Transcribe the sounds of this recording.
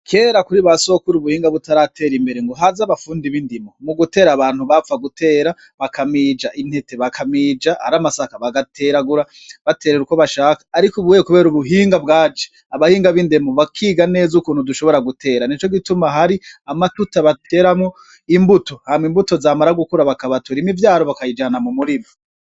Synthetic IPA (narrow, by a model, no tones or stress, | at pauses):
kʰe̞ːɾakuɾiβaso̞kuɾuβuhiːŋɡaβutaɾatʰe̞ːɾimbe̞ɾeŋɡoɦazaβafuːndiβindimo̞muɡute̞ːɾaβaːn̥huβafaɡutʰe̞ːɾa | βakʰamid͡ʒaʔin̥he̞te̞βakʰamiːd͡ʒaha̰ɾamasakaβaɡatʰe̞ɾaɡuɾa | βate̞ːɾeɾuko̞βaʃaːkḁːɾikuβujekuβe̞ːɾuβuɦiːŋɡabɡaːd͡ʒe̥ | aβahiːŋɡaβindemoβakʰiːɡane̞ːzukuːn̥huduʃo̞βo̞ɾaɡutʰe̞ːɾanit͡ʃo̞ɡitumaɦaɾiamatutaβatʰe̞ːɾamŋo | imbuto̞hamwimbuto̞zaːmaɾaɡukuɾaβakaβatuɾimivjaːɾo̞βakajid͡ʒanamumuɾimo